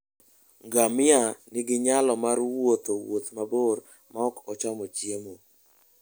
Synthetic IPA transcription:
ŋɡamɪanɪɡɪɲalɔmaɾwot̪owot̪maboɾ | maɔkɔt͡ʃamot͡ʃjemo

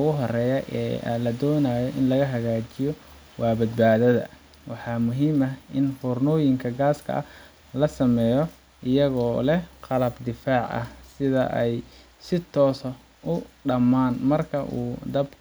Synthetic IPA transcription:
ʊɣʊɦɔrɛːjɐʔɛ̰ːlɐd̪ɔːnaːjɔʔɪnlɐɣɐɦɐɣaːt͡ʃɪjɔ | wɑːbɐd̪̚baːðɐðɐ̰ | wɑħɑːmʊɦiːmɐɪnhɔːrnɔːjɪŋkʰɐɡaːskʰɐ̰ʔɐ | lɐsɐmɛːjɔ | ɪjɐɣɔːlɛqɑlɐbd̪ɪfaːʕʔɐ̰hsɪðɐ̰ʔɛj | sɪt̪ʰɔːs | ʔʊɖɐmaːnmɐrkʰɐʔṵːd̪ɐb

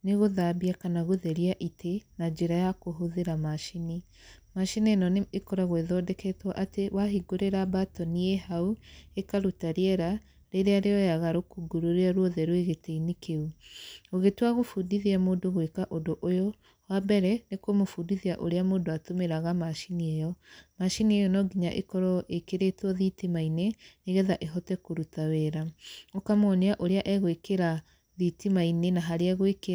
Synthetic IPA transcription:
neɣoðabiakanaɣoðɛɾiaʔitʰenad͡ʒeɾajakoɦoðeɾamaʃini | maʃinienɔneekɔɾaɣweðɔdɛkɛtwaʔatewaɦiɡoɾeɾabatɔniehauekaɾutaɾeɛɾa | ɾeɾeaɾeɔjaɣaɾokuɡuɾoɾeaɾwɔðɛɾweɣeteinekʰeuoɣetwaɣofuːdiðiamoːdoɣwekaʔodoʔojɔ | wabɛɾɛnekwomofuːndiðiaʔo̰ɾeamoːndoatomeɾaɣamaʃiniɛjɔmaʃiniɛjɔnɔɡiɲa̰ʔḛkɔɾɔʔekeɾetwɔðitimaineneɣɛðaʔeɦɔtɛkoɾutawɛɾaokamɔneaʔoɾeaʔɛɣwekeɾa | ðitimainenaɦaɾeaɣweke

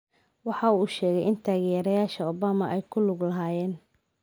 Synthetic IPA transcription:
wɑħɑuːʃɛːɣɛjɪnt̪ʰaːɣjɛːɾɐjaːʃɐɔbaːmɐʔɛjkʰʊlʊɡlɐɦaːjɛːn

